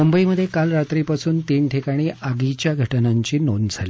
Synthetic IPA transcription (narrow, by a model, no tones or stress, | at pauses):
mumbəiməd̪ʱːjekalɾat̪ɾipasuːnt̪iːɳʈʰikaɽ̃iːʔaɡit͡ɕjaɡʱəʈənaɲt͡ɕiːno̰nd͡zʱali